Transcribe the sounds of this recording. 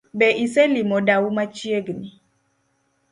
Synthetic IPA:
bɛʔisɛlimɔdaumat͡ʃieɡni

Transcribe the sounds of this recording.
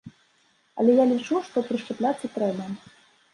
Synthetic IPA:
ɐ̰lʲɛjalʲit͡ʂuʂt̪ɔpɾɨʂt͡ʂɛplʲat̪sːɐt̪ɾɛbɐ

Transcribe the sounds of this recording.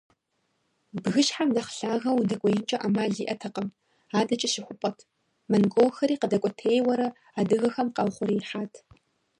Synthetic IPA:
bɣɨʃħamnɐχɬaːɣɐwudɨkʷʼɔjɪnt͡ʃʼɐʔamaːɮiːʔɐtʰɐqʼəm | aːdɐt͡ʃʼɐʃɪxʷʊpʼɔtʰ | mɐnɡʷowxɐɾiːqədɐkʷʼɔtʰeːjwɐɾɐ | aːdɨɣɐxɐmqɑwχʷʊɾiːħaːtʰ

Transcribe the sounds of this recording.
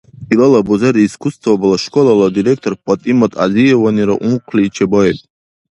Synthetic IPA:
ilalabuzaɾiːskʰust̪ʰvabalaʃkʼɔlalad̪iɾek̚ʰt̪ʼɔrpʼɔt̪ʼimat̪ʼa̰ziɛvaniɾa̰ʔumqʷʰlʲiːt͡ʃʰɛbɔjet̪ʼ

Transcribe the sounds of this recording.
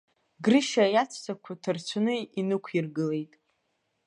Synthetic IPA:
ɡrɨʃajat͡sʷʰsʰakʷʰatʰɨrt͡ɕʷʰanɨinɨkʷʰirɡɨle̞jtʼ

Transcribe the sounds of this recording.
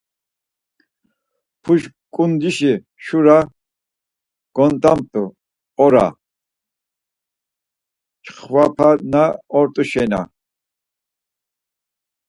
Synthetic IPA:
pʰuʃ | kʼund̪iʃi | ʃuɾa | ɡ̥ɔnt̪ʼamt̪ʰʼu | ɔɾa̰ | t͡ʃχwapʰanaɔɾt̪ʼuʃɛna̰

